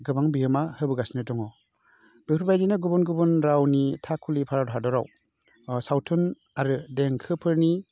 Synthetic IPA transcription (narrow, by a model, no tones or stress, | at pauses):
ɡɯbaŋbiɯmahɯbɯɡasinɯtɔŋɔ | b̥iɾbajdinaɡubunɡubɯnɾawnitʰakʰːulipʰaɾawʰadɔɾa̰w | sawtʰɯn | aɾɯdeŋkʰɯpʰɯɾni